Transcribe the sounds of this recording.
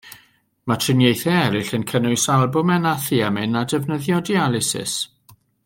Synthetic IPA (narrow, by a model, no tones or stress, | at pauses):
matʰrɪnjejθɛɛɾɪɬənkʰənʊɨsalˠbʊmɛnaθiamɪnadɛvnəðjɔdialˠɪsɪ̰s